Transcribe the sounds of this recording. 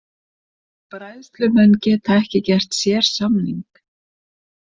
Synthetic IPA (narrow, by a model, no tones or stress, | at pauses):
pɾajðst̪lʏmɛncɛːt̪ʰaɛhcɪcɛr̥t̪sjɛːɾ̥samniŋk